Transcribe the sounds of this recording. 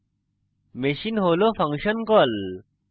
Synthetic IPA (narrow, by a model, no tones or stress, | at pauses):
meɕinɦoːlofʰɐŋkɕɐnkol